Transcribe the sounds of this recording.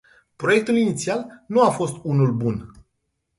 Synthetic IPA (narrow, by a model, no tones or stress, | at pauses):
pɾo̞je̞k̚t̪ulinit̪sialnuafo̞st̪unulbun